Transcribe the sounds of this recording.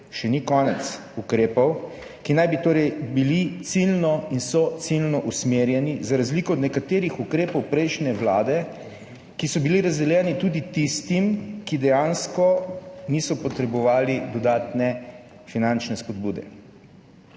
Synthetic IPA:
ʃɛnikɔːnɛt̪s | ukɾeːpɔw | kinajbit̪oːɾɛjbilit̪silnɔinsɔt̪silnɔʔusmeːɾjɛnizaɾazliːkɔɔd̪nɛkat̪eːɾixukɾeːpɔwpɾɛjʃnɛʋlaːd̪ɛ | kisɔbiliɾazd̪ɛljɛːnit̪uːd̪it̪ist̪imkid̪ɛjanskɔniːsɔpɔt̪ɾɛbɔʋaːlid̪ɔd̪aːt̪nɛ | finant͡ʃnɛspɔd̪buːd̪ɛ̰

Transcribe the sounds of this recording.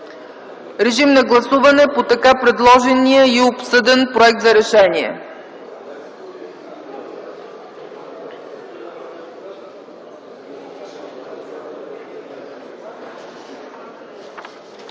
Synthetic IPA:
ɾɛʒimnɐɡlˠɐsuvɐnɛpot̪ɐkapɾɛd̪lˠɔʒɛnijəiopsɤd̪ɛnpɾoɛk̚t̪zɐɾɛʃɛnʲiɛ̰

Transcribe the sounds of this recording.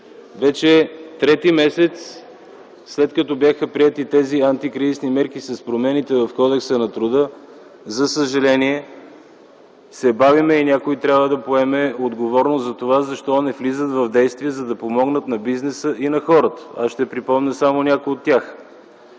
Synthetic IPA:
vɛt͡ʃɛt̪ɾɛt̪imɛsɛt̪s | slɛt̪kɐt̪ɔbjaxəpɾiɛt̪it̪ɛziant̪ikɾizisnimɛɾkisɐspɾomɛnit̪ɛvɐfkɔd̪ɛksənɐt̪ɾʊd̪ɤ | zɐsəʒɐlɛniɛ | sɛbavimɛinʲakoit̪ɾʲjabvəd̪ɐpoɛmɛod̪ɡovɔɾnozzɐt̪ovazɐʃt̪ɔnɛflizət̪vɐvd̪ɛjst̪viɛzɐd̪ɐpomɔɡnət̪nɐbiznɛsəʔinɐxɔɾət̪ə̥asʃt̪ɛpɾipɔmnʲəsamonʲakojot̪ːʲjax

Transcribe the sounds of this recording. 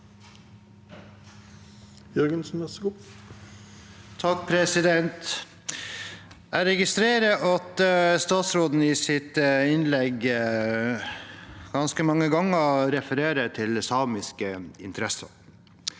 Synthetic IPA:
jœɾɡənsn̩ɛsəɡu | t̪ʰɑk̚pʰɾɛsɪd̪ɛnt̪ | æɪɾɛɡɪst̪ɾeːɾəʔɑt̪əst̪ɑːt̪sɾoːd̪n̩ɪːsɪt̪ɪnlɛɡ | ɡ̥ɑnskəmɑŋːəɡɑŋːəɾɛfəɾeːɾəʈʰɪlsɑːmɪskəɪ̰nt̪əɾɛsə̰

